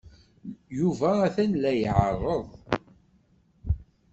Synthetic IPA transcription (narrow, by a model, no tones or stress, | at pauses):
juvæːθænlæjʕərˤːəðˤ